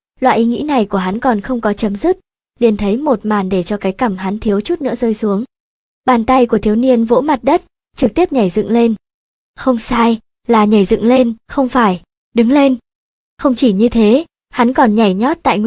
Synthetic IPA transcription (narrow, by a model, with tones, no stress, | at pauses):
lwa̰ː˧˨jʔi˨˦ŋḭ˧˥na˨˩jku˧˩əɦa˨˦nkɔ˨˩nxə˧wŋ͡mkɔ˨˦t͡ɕə˨˦mzɨ˦˥k̚ | li˨˩ənt̪ʰə˨˦jmo˨˩t̚maː˨˩nɗe˧˩t͡ɕɔ˧kaː˨˦jka˧˩mha˨˦nt̪ʰi˨˦əwt͡ɕu˦˥t̚nɨ̰˧˥əzəː˧jsu˨˦əŋ | ɓaː˨˩nt̪a˧jku˧˩ət̪i˨˦əwni˧ənvo̰˧˥ma˨˩t̚ɗə˦˥t̚ | t͡ɕɨ˨˩k̚t̪i˦˥əp̚ɲa˨˩jzɨ̰˧˨ŋle˧n | xə˧wŋ͡msaː˧j | laː˨˩ɲa˨˩jzɨ̰˧˨ŋle˧nxə˧wŋ͡mfaː˧˩j | ɗɨ˨˦ŋle˧n | xə˧wŋ͡mt͡ɕi˧˩ɲɨ˧t̪ʰe˨˦ | ha˨˦nkɔ˨˩nɲa˨˩jɲɔ˦˥t̚t̪a̰ː˧˨jŋ